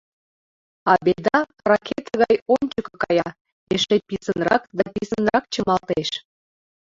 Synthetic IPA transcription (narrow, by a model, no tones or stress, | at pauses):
ɑbed̪ɑ | rɑkʲet̪əɣɑjonʲt͡ɕəkɤ̆kɑjɑ | eʃepisənrɑ̰kd̪ɑpisənrɑkt͡ɕəmɑlt̪eʃ